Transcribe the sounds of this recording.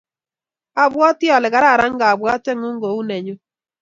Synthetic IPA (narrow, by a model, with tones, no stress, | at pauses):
a˦bwɔ˦tjɔ˨lɪ˨ka˨ɾa˦˨ɾa˦ŋɡa˨bwa˦tɛ˦ŋʊ˦ŋɡo˨u˦nɛ˨ɲʊ˦